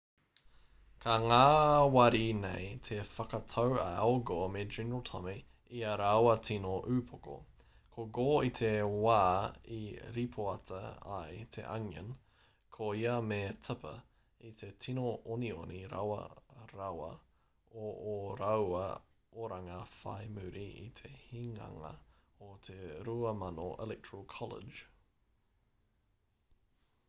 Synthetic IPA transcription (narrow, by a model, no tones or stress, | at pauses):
kʰɐŋaːwɐɾinejtʰefɐkɐtʰɐwɐ̰awɡomedɹinotʰɐmi | iɐɾawɐtʰinoʔʉːpʰoko̰ | kʰoɡoːit̪ʰewaːḭɾipʰoɐtʰɐ̰ɐ̰jt̪ʰḛʔɐ̰ŋɐ̰n | kʰoiɐmetʰəpʰɐ | it̪ʰetʰinoonioniɾa̰wɐ̰ɾɐwɐ̰ | ooɾɐwɐ̰ | oɾɐŋɐfa̰jmʉɾiḭt̪ʰehiŋɐ̰ŋɐ̰ | ot̪ʰeɾuɐmɐnoʔɛ̰lɛk̚tʰɹəlˠkʰɑlḛd͡ʒ